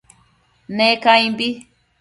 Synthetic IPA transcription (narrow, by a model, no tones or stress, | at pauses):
nekaj̃bi